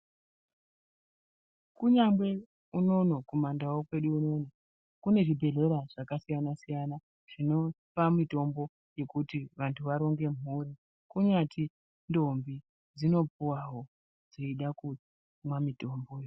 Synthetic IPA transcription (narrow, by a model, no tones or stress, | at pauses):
kuɲamɡwe̞ | uno̞no̞komandawokwe̞ɗuːno̞na | kune̞ʐibʱe̞ɮe̞ɾaʐ̥akasijanasijana | ʐ̥ino̞ | pamito̞mbo̞ | je̞kutiʋantʰuʋaɾo̞ŋɡe̞muri | kuɲatʰi | ndo̞mbi | d͡zino̞puwaɦo̞ | d͡ziiɗaku | mwamito̞mbo̞jo